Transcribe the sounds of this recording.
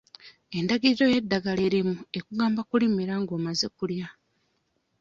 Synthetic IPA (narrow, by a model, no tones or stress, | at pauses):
e̞ndaɡizo̞je̞dːaɡale̞ːɾimue̞kuɡaːmbakulimiɾaŋɡo̞ːmaze̞kulja